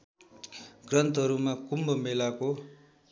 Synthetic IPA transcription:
ɡrʌnt̪ɦʌɾumakumbʌmelako

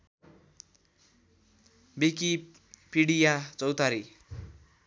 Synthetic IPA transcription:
biki | piɽijat͡sʌwt̪aɾi

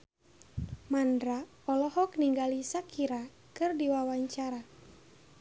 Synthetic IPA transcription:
mandɾa | ɔlɔhɔkniŋɡalisakʰiɾa | kɨrdiwawaɲt͡ʃaɾa

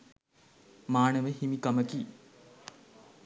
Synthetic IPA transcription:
maːnəʋəɦimikɐməki

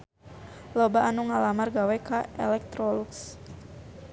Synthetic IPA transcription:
lɔbaʔanuŋalamarɡawɛkaʔɛ̰lɛk̚t̪ɾɔluks

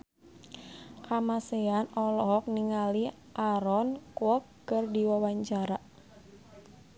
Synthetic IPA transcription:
kamaseanɔlɔɦɔk̚niŋali | ʔaɾɔnkwɔkːərdiwawaɲt͡ʃaɾa

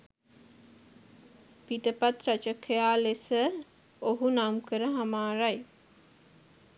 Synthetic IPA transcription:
piʈəpat̪rat͡ʃəkʰejaːlesə | oɦunamkəɾəɦamaːɾaj

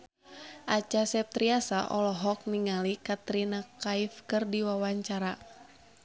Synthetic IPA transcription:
ʔat͡ʃasɛp̚t̪ɾiasaʔɔlɔɦɔk̚niŋalikat̪ɾinakaifkɨrdiwawaɲt͡ʃaɾa

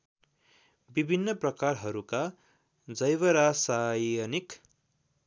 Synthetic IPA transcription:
bibʱinːʌprʌkarɦʌɾuka | d͡zʌjβʌɾasajʌnik

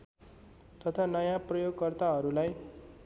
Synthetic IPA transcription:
t̪ʌt̪ʰanʌjãprʌjoɡkʌrt̪aɦʌɾulaj

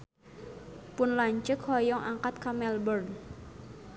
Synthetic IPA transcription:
pʊnlaɲt͡ʃəkhɔjɔŋʔaŋkat̪̚kamɛlbərn

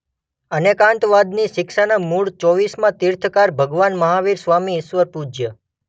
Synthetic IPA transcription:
ənekãɳt̪ʋad̪niʃɪkʃanamuɭt͡ʃɔʋismãt̪ɪɾt̪ʰkaɾbʱəɡʋanməɦaʋiɾsʋamiɪʃʋəɾpud͡ʒjə

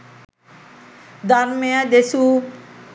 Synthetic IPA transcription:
d̪aɾmijad̪esu

